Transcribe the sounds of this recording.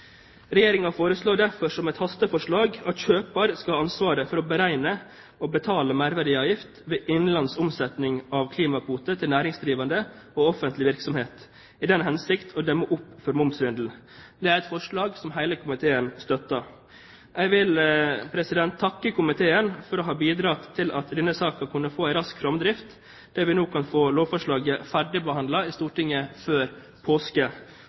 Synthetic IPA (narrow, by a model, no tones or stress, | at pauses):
ɾɛjeːɾɪŋɑfoːɾəsloːd̪æɾfɔʂɔmɛɪt̪hɑst̪əfɔʂɭɑːɡɑt̪çøːpɑɾskɑhɑnsʋɑːɾəfɔɾɔbəɾæɪnə | oːbət̪ʰɑːləmæɾʋæɖɪɑːʋjɪft̪ʋeːʔɪnlɑnsʊmsɛt̪nɪŋɑʋkʰliːmɑpuːt̪ət̪ʰɪlnæːɾɪŋsd̪ɾiːʋɑnd̪ə | oːɔfənt̪lɪʋɪɾksɔmheːt̪ | ɪd̪ɛnɦɛnsɪkt̪ʰoːd̪ɛmːoʔʊpːfɔɾmʊmsɾʏnd̪l̩ | d̪ɛːæɾɛt̪fɔʂɭɑːɡsɔmɦæɪləkʰʊmɪt̪ʰeːənst̪œt̪ːɑ | ʔæɡʋɪlpʰɾɛsɪd̪ɛnt̪ʰːɑkːəkʰʊmɪt̪ʰeːənfɔɾɔɦɑːbiːd̪ɾɑːt̪ʰːɪlʔɑt̪d̪ɛnːəsɑːkɑkʰʊnːəfoːæɪɾɑskfɾɔmd̪ɾɪft̪ | d̪̥æɾʋɪnoːkʰɑnfoːloːʋfɔʂɭɑːɡəfæɖɪbəhɑnd̪lɑɪst̪uːʈɪŋːəføːɾ | pʰoːskə